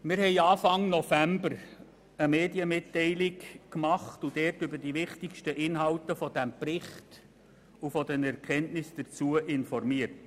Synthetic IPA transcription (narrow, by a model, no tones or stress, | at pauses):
mɪɾhɛɪɑːfɑŋnɔfæmbəɾ | əmeːdjəmɪtːɛɪlɪkkmɑχtud̥ɛːrtʏbəd̥iʋɪχtɪkʃtəʔɪnɦɑltəfɔd̥æmpɾɪχt | ufɔdɛnɛɾkʰɛntnɪsd̥əɾt͡suəʔɪnfɔrmiərt